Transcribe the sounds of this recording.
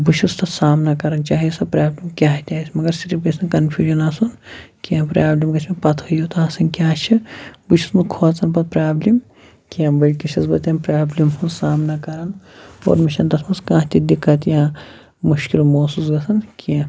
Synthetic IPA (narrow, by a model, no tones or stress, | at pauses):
but͡ʃʰust̪ɐsaːmnakɐɾɐnt͡ʃaːɦisɐpɾaːblimkʲaːɦt̪ʲaːisʲmɐɡɐɾsiɾifɡɐsʰʲnɐkɐnpʰjuːʒɐnaːsunkijãːpɾaːblimɡɐt͡ʃʰmepɐt̪ʰhujot̪aːsɐnkʲaːt͡ʃʰibut͡ʃʰu̥snɐkʰoːt͡sɐnpɐt̪̚pɾaːblim | kijãbɐlʲkiʃʰɐsbɐt̪ʲjɐnpɾaːblʲimɦusaːmnɐkɐɾɐno̰ːɾmiʃɐnt̪ɐsmɐnskãːt̪id̪ikːɐt̪jãː | muʃkilmoːsuːsɡɐsɐnkiã